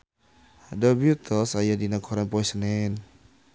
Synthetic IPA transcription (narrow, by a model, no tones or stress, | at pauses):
dəbiut̪ʰɔsajadinakʰɔɾanpɔisənɛn